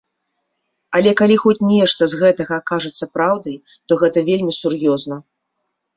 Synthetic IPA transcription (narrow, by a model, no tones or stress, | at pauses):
ɐlʲɛkalʲixɔt͡sʲnʲɛʂt̪ɐzɣɛt̪ɐɣɐkaʐɐt̪sːɐpɾawd̪ɐj | t̪ɔɣɛt̪ɐvʲelʲmʲisurjɔznɐ